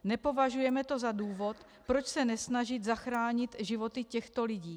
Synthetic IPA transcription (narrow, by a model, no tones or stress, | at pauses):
nɛpo̞vaʒujɛmɛt̪o̞zaduːvo̞t̪ | pɾot͡ʃsɛnɛsnaʒɪt̪zaxɾaːɲɪt̪ʒɪvo̞t̪ɪcɛxt̪o̞lɪɟiː